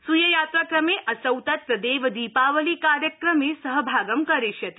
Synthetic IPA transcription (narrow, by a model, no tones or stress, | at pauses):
sujɐjaːt̪ɾakɾɐmeʔɐsɐwt̪ɐt̪ɾɐd̪eːʋɐd̪iːpaːʋɐlikaːɾjɐkɾɐmesɐɦɐbʱaːɡɐmkɐɾeʃjɐt̪i̥